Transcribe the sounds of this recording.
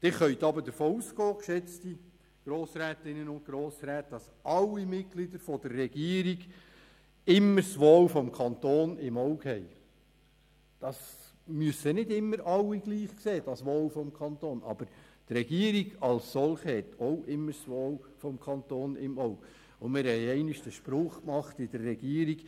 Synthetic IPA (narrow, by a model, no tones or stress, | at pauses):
d̥̪ɪːχœʏt̪ɑbəd̥əɾfoːusɡɔːkʃɛt͡sti | ɡ̥ɾoːsræːtɪnːənʊnt̚kɾoːsɾæːtd̥ɑs | ʔɑlːimɪt̚ɡ̥lidəɾfɔd̥ərːɛɡ̥iːəɾiɡ | ɪmːəɾsʋoːwfɔmkʰɑnt̪oːnɪmɔwkhɛj | d̥ɑs | myəsənɪdɪmːəɾɑlːiɡliːχkseːd̥ɑsʋoːwfɔmkʰɑnt̪oːnʔɑ̰b̥əɾt̪rɛɡiːəɾiɡɑlsːɔlχəhɛtɔwʔɪmːəɾsʋoːwfɔmkʰɑnt̪oːnɪ̰mɔwk | ʊmɪɾhɛjɛɪnɪʃd̥əʃpɾʊːχkmɑχtɪd̥ərːɛɡ̥iːəɾiɡ̥